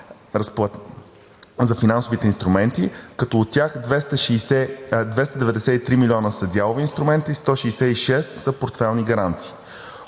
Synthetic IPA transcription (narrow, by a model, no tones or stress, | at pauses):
ɾɐspˠa | zɐfinansʊvit̪ɛinst̪ɾʊmɛnt̪ikɐt̪ɔːt̪ːʲjaxd̪vɛst̪əʃisɛd̪vɛst̪əd̪ɛvɛd̪ɛsɛit̪ɾimilʲiɔnəsəd̪ʲalˠʊvɛinst̪ɾʊmɛnt̪iːst̪ɔʃɛːsɛiʃɛsːəpoɾt̪fɛlˠniɡɐɾant̪si̥ː